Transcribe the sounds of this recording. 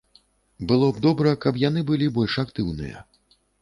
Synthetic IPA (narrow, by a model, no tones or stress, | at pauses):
bɨlˠɔb̚d̪ɔbɾɐkɐpjan̪ɨbɨlʲibɔlʲʂakt̪ɨwnɨ̰jɐ̰